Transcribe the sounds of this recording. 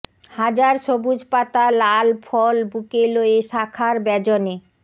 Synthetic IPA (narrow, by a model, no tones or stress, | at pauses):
had͡ʑaɾʃobud͡ʑpat̪alalfʰɔlbukeloeʃakʰaɾbɛd͡ʑone